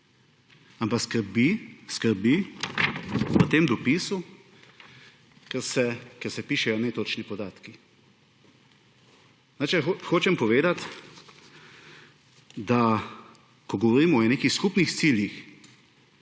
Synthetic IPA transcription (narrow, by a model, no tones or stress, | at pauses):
ampakskəɾbiskəɾbi | pət̪eːmd̪ɔpisu | kɛɾsɛkɛɾsɛpiːʃɛjɔnet̪oːt͡ʃnipɔd̪aːt̪ki | nat͡ʃɛxoːt͡ʃɛmpɔʋeːd̪at̪ | d̪a | kɔɡɔʋɔɾiːmɔneːkixskupnixt̪siljix